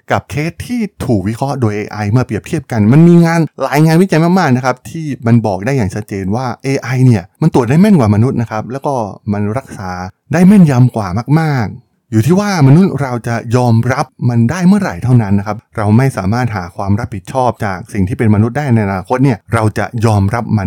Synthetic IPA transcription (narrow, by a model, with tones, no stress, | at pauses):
ka˨˩p̚kʰeː˦˥t̪ʰːiː˥˩t̪ʰuː˨˩k̚wi˦˥kʰɾɔ˦˥ʔdoː˧jʔeː˧ʔa˧jmɯ˥˩ɐpɾi˨˩əp̚t̪ʰi˥˩əp̚ka˧nma˧nmiː˧ŋaː˧nlaː˩˦jŋaː˧nwi˦˥t͡ɕa˧jmaː˥˩maː˥˩k̚na˦˥kʰa˦˥p̚t̪ʰiː˥˩ma˧nbɔː˨˩k̚daː˥˩jaː˨˩ŋt͡ɕʰa˦˥t̪̚t͡ɕeː˧nwaː˥˩ʔeː˧ʔa˧jni˥˩ɐma˧nt̪u˨˩t̪̚daː˥˩jmɛ˥˩nkwaː˨˩ma˧nu˦˥t̪̚na˦˥kʰa˦˥p̚lɛː˦˥wkɔː˥˩ma˧nɾa˦˥k̚saː˩˦ | daː˥˩jmɛ˥˩nja˧mkwaː˨˩maː˥˩k̚maː˥˩k̚ | juː˨˩t̪ʰiː˥˩waː˥˩ma˧nu˦˥t̪̚ɾa˧wt͡ɕa˨˩jɔː˧mɾa˦˥p̚ma˧ndaː˥˩jmɯ˥˩ɐɾa̰˨˩jt̪ʰa˥˩wna˦˥nːa˦˥kʰa˦˥p̚ɾa˧wma˥˩jsaː˩˦maː˥˩t̪̚ɦaː˩˦kʰwaː˧mɾa˦˥pʰːi˨˩t̪̚t͡ɕʰɔː˥˩p̚t͡ɕaː˨˩k̚si˨˩ŋt̪ʰiː˥˩pe˧nma˧nu˦˥t̪̚daː˥˩jna˧jʔa˧naː˧kʰo˦˥t̪̚ni˥˩ɐɾa˧wt͡ɕa̰˨˩jɔː˧mɾa˦˥p̚ma˧n